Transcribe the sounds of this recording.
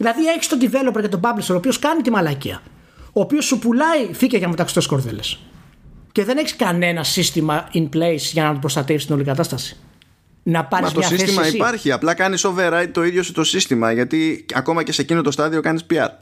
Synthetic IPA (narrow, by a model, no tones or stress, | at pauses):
ðilɐðie̞çi̥st̪od̪ive̞lo̞peɾcet̪o̞bɐblisoɾo̞pio̞skɐnit̪imɐlɐciɐ̰ | oːpio̞sːupulɐificeʝɐmet̪ɐksi̥t̪osko̞ɾðele̞s | ce̞ðe̞ne̞çi̥skɐne̞nɐsist̪imɐinplejsʝɐnɐt̪opɾost̪ɐt̪efst̪inolikɐt̪ɐst̪ɐsi̥ | nɐpɐɾɐzmoɐsiθseimɐɐsispɐɾçiɐplɐkɐniso̞veɾɐjt̪̚t̪o̞iðjo̞sut̪o̞sist̪imɐʝɐt̪iɐ̰ko̞mɐce̞se̞cinot̪o̞st̪ɐðio̞kɐnispiɐ̰ɾ